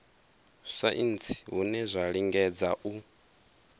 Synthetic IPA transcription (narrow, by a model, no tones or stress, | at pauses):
sa̰ʔint͡sʰi̥ɦunɛzʷaɺiŋɡɛd͡zaʔu